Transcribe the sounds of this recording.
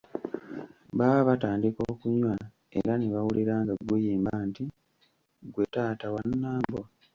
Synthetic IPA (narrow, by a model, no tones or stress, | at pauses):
βaβataːndiko̞ːkuɲwa | ḛɾaneβawulʔeɾaːŋɡaɡwejiːmbanti | ɡwetaːtawanːaːmbo